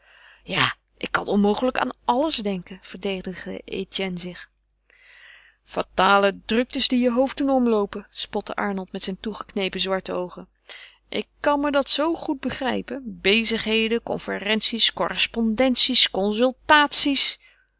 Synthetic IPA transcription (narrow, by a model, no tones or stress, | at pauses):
jaː | ʔɪ̰kːɑ̰nɔnmowχələka̰ːnɑləzdɛŋkəv̥əɹdejdəχdə̰ḛtɛnzɪχ | fataːlədrɵk̚təsdijəɦowf̚dunɔmlowpəspɔtə̰ʔɑ̰ɹnəlˠtmɛtsɛjntuχəknejpənzʋɑɹtəowχən | ʔɪkːɑnmədɑtsowχud̚bəχrɛjpənbejzəχɦejdəkɔ̰nfərɛnsiskɔrəspɔndɛnsiskɔnsɵlˠtaːtsis